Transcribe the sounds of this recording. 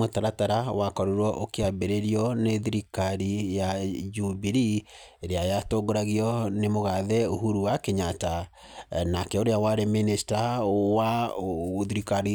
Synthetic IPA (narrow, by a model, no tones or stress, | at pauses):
motaɾataɾawakɔɾoɾwɔʔokeabeɾeɾiɔneðiɾikaɾijad͡ʒubiɾiɾeajatoɡoɾaɣiɔnemoɣaðɛoɦuɾuwakeɲata | nakɛoɾeawaɾeminisi̥tawa | oðiɾikaɾi